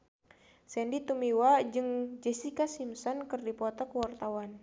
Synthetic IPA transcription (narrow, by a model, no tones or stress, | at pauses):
sɛndit̪umiwad͡ʒɨŋd͡ʒɛsikasimsɔnkɨrdipɔt̪ɔkəwart̪awan